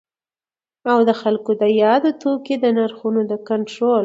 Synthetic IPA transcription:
awd̪əxalkod̪əjɑd̪ot̪oked̪ənaɾxunod̪əkaɳʈɾol

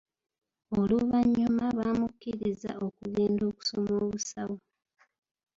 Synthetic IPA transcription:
oluβaɲːumaβaːmukːiɾiza̰o̞kuɡeːndo̞ːku̥so̞moːβusawo

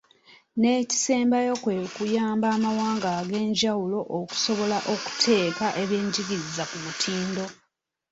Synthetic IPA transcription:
ne̞ːci̥seːmbajo̞kwekujaːmbaːmawaːŋɡaɡe̞ːɲɟawulo̞ʔoku̥so̞βo̞laʔoku̥tʰe̞ːkaʔe̞βje̞ːɲɟiɡiɾizakumutʰiːndo̞

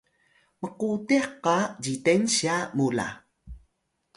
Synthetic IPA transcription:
məqutiqːad͡ʑitenɕiamula̰

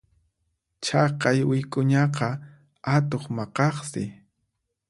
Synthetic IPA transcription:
t͡ʃʰɑqɑjwɪjkʼʊɲɑqɑ | at̪oχmɑqɑχsɪ̰

